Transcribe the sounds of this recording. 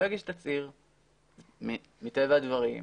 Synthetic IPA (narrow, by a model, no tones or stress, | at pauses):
eɡiʃtat͡siʁ | mi | mitevaːdvaʁḭ